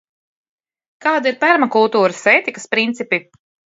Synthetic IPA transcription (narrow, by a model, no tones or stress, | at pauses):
kaːd̪iɾpæɾmakulˠt̪uːɾəseːt̪ikəspɾint̪sipi